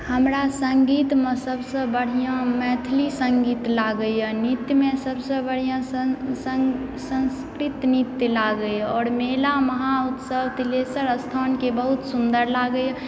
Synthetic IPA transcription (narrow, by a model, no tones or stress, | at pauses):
həmɾasəŋɡit̪mesəbsə̃bəɽ̤ijãmɛːt̪ʰlisəŋɡiːt̪laɡəjanit̪ːjmẽsəbsə̃bəɽ̤ijãsəsə̃nskɾit̪nit̪jlaɡəjɔːɾmelaməɦaut̪səbt̪ilesəɾəst̪ʰaːnkebəɦut̪sund̪əɾlaɡəj